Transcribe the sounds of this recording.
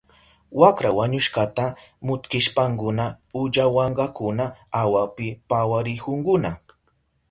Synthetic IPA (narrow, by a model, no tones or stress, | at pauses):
wakɾawaɲʊʃɢat̪amʊt̪kɪʃpaŋkʊna | ʊʎawɑɴɢɑkʊnaawapɪpawaɾɪkʊŋkʊna